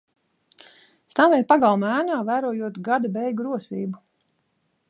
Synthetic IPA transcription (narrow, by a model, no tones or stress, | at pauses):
st̪avɛjpaɡalˠmæːnaːvæːɾuɔjuɔt̪ɡad̪abɛjɡɾuɔsḭːbu